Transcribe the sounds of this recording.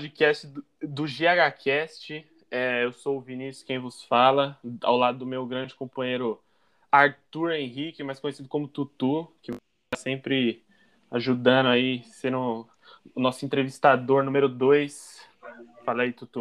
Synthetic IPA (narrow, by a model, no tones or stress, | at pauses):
pd͡ʒikɛst͡ʃɪ | d̪ʊʒeaɡakʰɛst͡ʃɪ | ɛewsowʊvinisʊ̥skẽj̃vʊsfalɐa̰wlad̪ʊd̪ʊmewɡɾɐ̃d͡ʒɪkõpɐ̃ɲ̃ejɾʊ | aɾt̪uɾẽɦikɪmajskõɲesid̪ʊkõmʊt̪ut̪ukɪ | t̪asẽpɾɪ | aʒud̪ɐ̃nd̪ʊaisẽɾʊ̃ː | nɔsʊẽnt̪ɾevist̪ad̪oɾnũmeɾʊd̪ojs | faleijt̪ut̪u